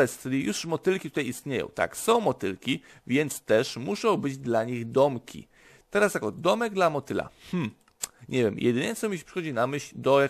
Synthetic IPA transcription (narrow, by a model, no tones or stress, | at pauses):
ɛst͡ʃɘlʲijuʂmɔt̪ɘlkʲit̪ut̪ajist̪ɲejɔ̰w̃t̪a̰ksɔ̃w̃mɔt̪ɘlkʲi | vʲjɛnt̪st̪ɛʂmuʂɔ̃w̃bɘd͡ʑd̪laɲiɣd̪ɔmkʲʰḭ | t̪ɛɾasjakɔd̪ɔmɛɡd̪lamɔt̪ɘla̰mm̩ | ɲʔɛvʲjɛmjʔɛ̰d̪ɘɲɛt̪sɔ̃miɕpʂɨ̥xɔd͡ʑinamɘɕlʲd̪ɔja